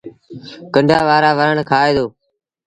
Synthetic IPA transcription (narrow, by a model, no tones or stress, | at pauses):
kəɳɖʱaːʋaːɾaːʋəɾəɳkʰaːeːd̪oː